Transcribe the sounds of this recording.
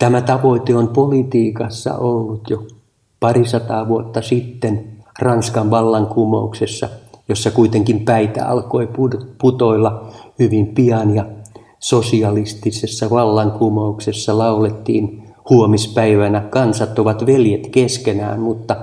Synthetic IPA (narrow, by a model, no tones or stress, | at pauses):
t̪æmæt̪ɑʋoit̪eompolit̪iːkɑsːɑ̰ʔolːut̪jo | pɑrisɑt̪ɑːʋuot̪ːɑsit̪ːenrɑnskɑʋʋɑlːɑŋkumɑuksesːɑ̰josːɑkuit̪eŋkimpæit̪æ̰ɑ̰lkoipuput̪oilːɑhyʋimpiɑnjɑ | sosiɑlist̪isesːɑʋɑlːɑŋkumɑuksesːɑlɑulet̪ːiːn | huomispæiʋænækɑnsɑt̪ːoʋɑt̪ʋeljet̪keskenæ̰ːmmut̪ːɑ